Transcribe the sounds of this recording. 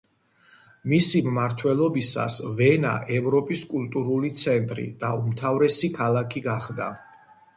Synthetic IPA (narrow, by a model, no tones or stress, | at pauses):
misimmaɾt̪ʰwɛlˠɔbisa̰svɛna̰ʔɛvɾɔpʼiskʼulˠt̪ʼuɾulit̪sʰɛnt̪ʼɾḭd̪̥aumt̪ʰavɾɛsikʰalˠakʰiɡaχd̪a̰